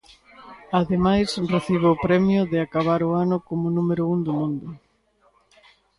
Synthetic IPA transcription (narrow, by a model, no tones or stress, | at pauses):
aðemajsreθiβoːpɾɛmjʊðɪakaβ̞aɾʊanʊkomʊnumeɾʊund̪ʊmũnd̪ʊ